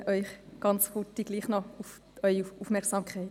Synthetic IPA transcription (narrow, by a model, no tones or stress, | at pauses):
ʔœʏχɡ̥ɑnt͡shʊtiɡ̥liːχnɔuf | œʏiufmɛɾksɑːmkʰχɛɪt